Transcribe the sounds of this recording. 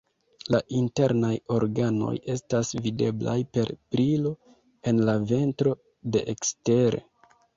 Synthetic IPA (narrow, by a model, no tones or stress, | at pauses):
laʔinte̞ɾnajo̞ɾɡano̞̰je̞stasvide̞bla̰jpe̞ɾpɾilo̞ | e̞nlave̞ntɾo̞ | de̞ʔekste̞ɾe̞̰